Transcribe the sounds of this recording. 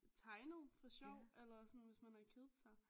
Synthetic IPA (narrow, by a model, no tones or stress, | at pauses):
t͡sʰɑ̈ɪnəð̞̩ˠfɒ̽ɕɒʊ̰elɐsɒnʋe̝smænæɐkʰeðˠsɑ̈ɪ